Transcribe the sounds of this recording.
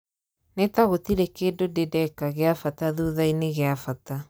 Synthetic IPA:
netaɣotiɾekeːdodedɛkaɣeafataðuðaineɣeafata

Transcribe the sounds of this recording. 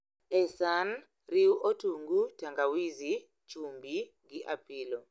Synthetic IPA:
ɛsan | riuʔɔtʰuŋɡutʰaŋɡawizi | t͡ʃʼumbiŋɡiʔapʰiːlɔ

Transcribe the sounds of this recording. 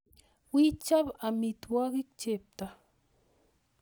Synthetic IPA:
wit͡ʃabamit̪waɢik̚t͡ʃep̚t̪a

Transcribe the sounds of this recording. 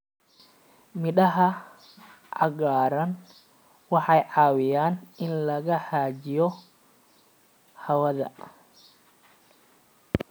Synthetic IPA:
mɪɗɐɦɐ | ʕɑɣaːɾɐn | wɑħɑjʕɑːwɪjaːnɪnlɐɣɐħaːt͡ʃɪjɔ | hɐwɐðɐ̰

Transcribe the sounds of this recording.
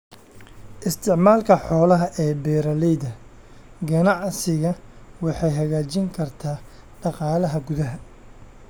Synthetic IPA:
ʔɪst̪ʰɪʕmaːlkʰɐħɔːlɐɦɐʔɛːbɛːɾɐlɛjðɐ | ɡɐnɑʕsɪɣɐwɑħɑjɦɐɣaːt͡ʃɪŋkʰɐrt̪ʰaː | ɖɑqɑːlɐɦɐɡʊðɐɦɐ

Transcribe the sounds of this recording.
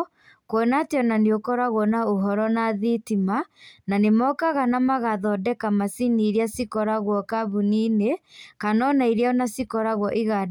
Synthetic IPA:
kwɔnateɔnaneokɔɾaɣwɔnaoɦɔɾɔnaðitimananemɔkaɣanamaɣaðɔdɛkamasiniɾiasikɔɾaɣwɔkaβuninekanɔnaiɾjaɔnasikɔɾaɣwɔʔiɣad

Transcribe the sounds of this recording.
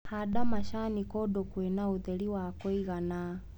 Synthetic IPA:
haɗamaʃanikɔɗɔkwɛnauðɛliwakɔiɣana

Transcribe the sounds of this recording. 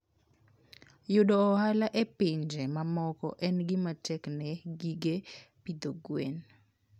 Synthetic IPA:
jʊdɔːhalaʔepɪɲd͡ʒemamɔkɔ̰ʔɛnɡɪmatɛknɛɡiɡepid̪oɡwen

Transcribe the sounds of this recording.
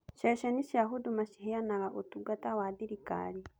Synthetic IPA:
ʃɛʃɛniʃiaɦudumaʃiɦejanaɾaʔotuɡatawad̪iɾika̰ɾi

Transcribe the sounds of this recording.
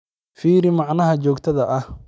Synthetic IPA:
fiːɾɪmɑʕnɐɦɐt͡ʃɔːkt̪ʰɐðɐʔɐh

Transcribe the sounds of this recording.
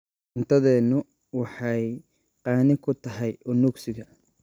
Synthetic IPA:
nt̪ʰɐðɛːnʊ | wɑħɑj | qɑːnɪkʰʊt̪ʰɐɦɛjʔʊnuɡsɪɣɐ

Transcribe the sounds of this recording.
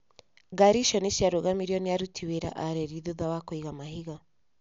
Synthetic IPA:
ɡaɾiʃɔneʃjaɾoɣamiɾjɔniaɾutʰiweɾa̰ʔaɾɛɾiðuðawakoiɣamahiɣa

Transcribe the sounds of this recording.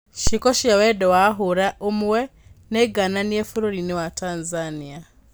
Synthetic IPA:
ʃikɔʃiawɛdɔwaɦuɾaʔomuwɛneɡananiefuɾoɾinewatanzania

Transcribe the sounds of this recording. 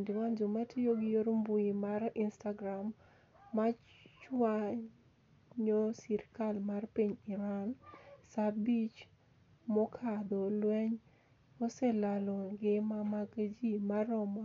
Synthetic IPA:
ndɪwand͡ʒomatʰijoɡɪjoɾmbuimarɪnstaɡɾamː | a | t͡ʃwa | ɲosiɾkalmarpiɲɪɾansabit͡ʃ | mɔkʰad̪olwɛɲ | ɔsɛlalɔɡɪmamaɡd͡ʒimaɾɔmɔ

